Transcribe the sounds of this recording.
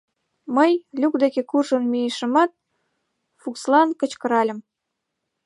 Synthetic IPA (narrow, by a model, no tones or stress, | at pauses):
məjlʲukd̪ekekurʒənmijeʃə̆mɑt̪̚ | fukslɑnkə̆t͡ɕkə̆ɾɑlʲə̆m